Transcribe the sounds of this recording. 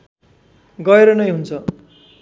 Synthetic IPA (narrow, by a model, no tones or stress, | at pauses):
ɡʌeɾʌnʌjɦunt͡sʰʌ